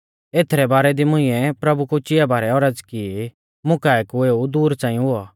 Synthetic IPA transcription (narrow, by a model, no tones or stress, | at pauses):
eːt̪ʰɾɛbaːɾɛd̪imʊ̃ɪ̃ːɛ̃pɾɐbukut͡ʃɪjabʱaːɾɛɔːɾɐd͡zki | mʊkaːɛkueːud̪uːɾt͡sãːĩɦʊa